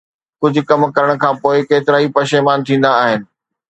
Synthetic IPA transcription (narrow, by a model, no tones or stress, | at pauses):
kʊd͡ʑʱʊ̆kɐmkɐɾəɽ̃kʰãːpoːɪkeːt̪ɪɾaːɦipɐʃeːmaːnt̪ʰĩːn̆d̪aːɦɪnɪ̆